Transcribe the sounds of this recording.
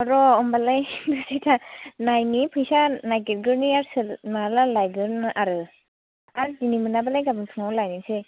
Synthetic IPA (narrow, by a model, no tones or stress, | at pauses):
aɾɔɔmbalajɡɯsajtʰanajnipʰɯjsanajɡit̚ɡɯɾniaɾsɯnalalajɡɯɾnɯʔaɾɯ | aɾdinimɯnabalajɡabɯŋtʰɯŋawlajnisej